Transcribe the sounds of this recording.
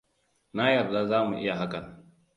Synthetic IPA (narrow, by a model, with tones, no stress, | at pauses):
na˦jɐ˨ɾza˦zaː˦mu˨ʔɪ˦ja˨ɦa˦kɐ˨n